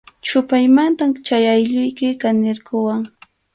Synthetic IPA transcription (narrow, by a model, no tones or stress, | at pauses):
t͡ʃʊpajmant̪amt͡ʃajajʎʊjkɪkanɪɾkʊwaŋ